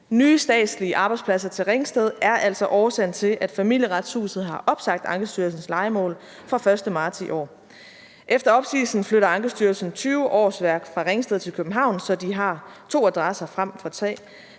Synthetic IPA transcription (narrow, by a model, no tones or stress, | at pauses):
nyːsd̥ɛ̰ːd̥sliəʔɑ̈b̥ɑ̈ɪdspʰlæsɐt͡sʰe̝lʁeŋsd̥eð̞ˠʔæɐʔæl̰sɒ̽ʔɒːɐsen̰t͡sʰe̝lʔæd̥fæmil̰jəʁɑ̈d̥shṵːsð̩ˠɦɑ̈ʔɒ̽b̥sɑ̈ɡ̥̚d̥ɑ̈ŋɡ̥əsd̥yɐl̩sn̩slɑ̈ɪəmɔ̰̽ːl | fʁɑ̈fɶɐsd̥əmɑ̥̈ːsiʔɒ̰ː | ʔefd̥ɐɒ̽b̥siːsn̩fløɾɐɑ̈ŋɡ̥əsd̥yɐlsn̩t͡sʰyːʊʔɒ̰ːsʋæɐ̰ɡ̥fʁɑ̈ʁeŋsd̥eð̞̩̰ˠt͡sʰe̝lkʰøb̥m̩ɦɑ̈ʊ̰nsɒ̽d̥iɦɑ̈t͡sʰo̝̰ːæd̥ʁɑsɐfʁam̰fɒ̽t͡sʰʁɛ̰ː